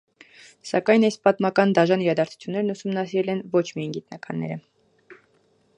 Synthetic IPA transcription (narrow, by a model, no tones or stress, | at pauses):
sɑkɑjnɑjspɑt̪mɑkɑnd̪ɑʒɑniɾɑd̪ɑɾt͡sʰu̥t͡sʰjunːɛɾnusumnɑsiɾɛlɛnvɔt͡ʃʰmijɑjnɡit̪nɑkɑ̰nːɛ̰ɾə